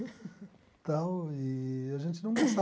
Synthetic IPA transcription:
t̪ɐ̃w̃iɐʒẽnt͡ʃ̪ɪnɐ̃w̃osa

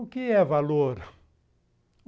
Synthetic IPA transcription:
ʊkɪɛvaloɾ

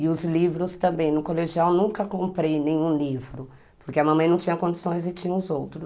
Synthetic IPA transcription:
ɪʊzlivɾʊst̪ɐ̃mbẽj̃nʊkoleʒiawnũkɐkõmpɾejnẽj̃ũlivɾʊ | pʊɾkeɐmɐ̃mɐ̃j̃nɐ̃w̃t͡ʃĩɲɐkõd͡ʒisõj̃zɪt͡ʃĩɲɐ̃ʊzowt̪ɾʊ

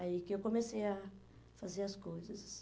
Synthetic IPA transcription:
ikɪewkõmeseja | fazeɾɐskojzɐs

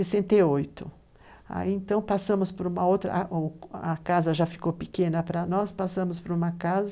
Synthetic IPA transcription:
sesẽnt̪eojt̪ʊ | a̰iẽnt̪ɐ̃w̃pasɐ̃mʊspoɾũmɐowt̪ɾɐ̰ | ɐkazɐʒafi̥kowpikẽnɐpɾɐnɔspasɐ̃mʊspoɾũmɐkazɐ

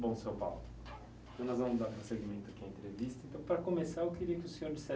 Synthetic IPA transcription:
bõsewpa̰wʊ | t̪ɐ̃w̃nɔzvɐ̃mʊzd̪aɾpɾũseɡimẽnt̪ʊɐkɪ̃ɐẽnt̪ɾevist̪ɐẽnt̪ɐ̃w̃pɾɐkomesaɾewkeɾiɐkɪʊsẽɲoɾd͡ʒisɛ

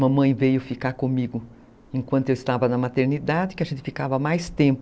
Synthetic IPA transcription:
mɐmɐ̃j̃vejʊfikaɾkõmiɡʊ | ẽŋkwɐ̃nt̪ʊewɪst̪avɐnɐmat̪eɾnid̪ad͡ʒɪkɪɐʒẽnt̪ɪfikavɐmajst̪ẽmpʊ

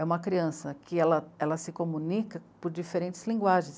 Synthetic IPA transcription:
ɛũmɐkɾiɐ̃sɐkɪɛlɐɛlɐsɪkomunikɐpʊɾd͡ʒifeɾẽnt͡ʃɪ̥zlĩŋɡwaʒẽj̃s

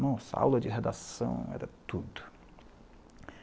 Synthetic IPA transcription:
mɐ̃ɛsɐa̰wlɐd͡ʒɪɦed̪asɐ̃w̃ɛ̰ɾɐt̪ud̪ʊ

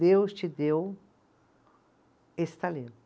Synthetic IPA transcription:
ewst͡ʃɪd̪ew | est̪ɐli

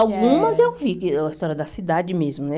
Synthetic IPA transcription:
awɡũmɐzewvikɪɛɐist̪ɔɾjɐd̪ɐsid̪ad͡ʒɪmezmʊnɛ

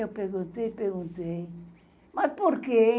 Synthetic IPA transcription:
ewpeɾɣũnt̪ejpeɾɣũnt̪ej | mɐspoɾke

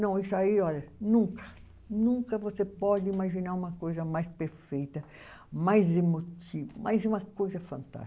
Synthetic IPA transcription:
nɐ̃w̃isʊaiɔʎɐnũŋkɐ̥ | nũŋkɐvosepɔd̪ɪimaʒinaɾũmɐkojzɐmajspeɾfejt̪ɐ | majzemot̪ivɐmʔajzũmɐkojzɐfɐ̃nt̪a̰

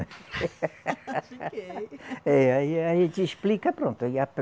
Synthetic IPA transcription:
ɛaiaʒẽnt͡ʃ̪iʃplikɐpɾõnt̪ʊiap

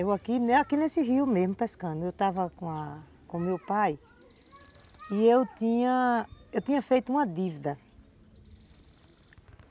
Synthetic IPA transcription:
ewakinakinesɪɦiʊmezmʊpɛskɐ̃nʊewt̪avɐkõa | kõmewpaj | iewt̪ĩɲɐ̃ewt̪ĩɲɐfejt̪ʊũɐd̪ivid̪ɐ

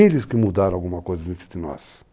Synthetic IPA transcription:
elɪskɪmud̪aɾawɡũmɐkojzɐd̪ẽt̪ɾɪ̥d̪ɪnɔ̰s

